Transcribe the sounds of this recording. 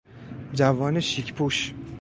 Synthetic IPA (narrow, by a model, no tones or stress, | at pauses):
d͡ʒævɒːneʃicʰpʰuʃ